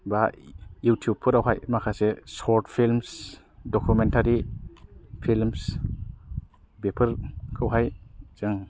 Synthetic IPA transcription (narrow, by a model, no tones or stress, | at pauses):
bajutʰijub̚pʰɯɾawɦajmakʰasesɔɾtpʰilms | dɔkʰumentʰaɾi | pʰilms | bepʰɯɾkʰɯwɦajzɯŋ